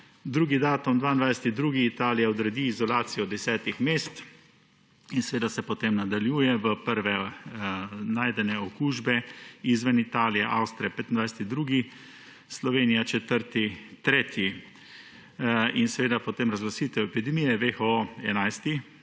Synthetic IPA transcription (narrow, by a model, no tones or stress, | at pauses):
d̪ɾuːɡid̪aːt̪umd̪ʋaːjnd̪ʋajsɛ̥t̪id̪ɾuːɡiːt̪aːlijaɔd̪ɾɛd̪iːzɔlaːsijɔd̪ɛsɛːt̪ixmeːst̪ | insɛʋeːd̪asɛpɔt̪emnad̪aljuːjɛʋəpəɾʋɛ | naːjd̪ɛnɛɔkuːʒbɛizʋɛnit̪aːlijaʔawst̪ɾijapeːt̪ind̪ʋajsɛ̥t̪id̪ɾuːɡi | slɔʋeːnijat͡ʃɛt̪əɾt̪it̪ɾeːt̪ʰji | insɛʋeːd̪apɔt̪eːmɾazɡlasit̪ɛwɛpid̪ɛmijɛʋexɔɛ̰najst̪i